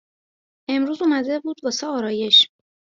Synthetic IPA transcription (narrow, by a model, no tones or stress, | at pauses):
ʔe̞mɾuːzumæd̪ebuːd̪vɒːsɛɒːɾɒːje̞ʃ